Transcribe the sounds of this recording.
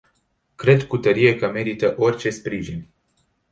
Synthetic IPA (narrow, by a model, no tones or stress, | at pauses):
kɾe̞d̪kut̪əɾije̞kəme̞ɾit̪əʔo̞rʲt͡ʃe̞spɾiʒinʲ